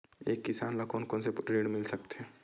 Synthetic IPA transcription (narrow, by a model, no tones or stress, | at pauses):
eːkːɪsaːnlɐkonkonsepʈɾeːɽmɪlsɐk̚t̪ɛː